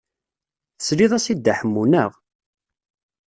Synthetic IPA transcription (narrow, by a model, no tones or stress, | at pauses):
θəsliðˤæsid̪ːaħəmːunəʁ